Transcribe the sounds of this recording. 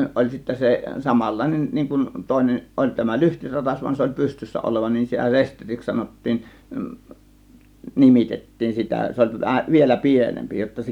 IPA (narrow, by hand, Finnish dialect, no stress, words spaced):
ʔolʲ sitːæ se sɑmɑlːɑˑe̝nen niːŋ kun toˑe̝nen ʔolʲ tæmæ lyhtirɑtɑs ʋuɑn se olʲ pystysːæ oloʋɑ nin sitæ sesteriks sɑnotːiːn nimitetːiːn sitæ se olʲ tu ʋæhæ ʋielæ pienempi jotːɑ se